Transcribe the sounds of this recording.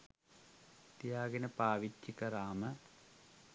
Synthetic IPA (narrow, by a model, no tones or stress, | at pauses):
t̪jaːɡɐnɐpaːʋit͡ɕːikɐraːmɐ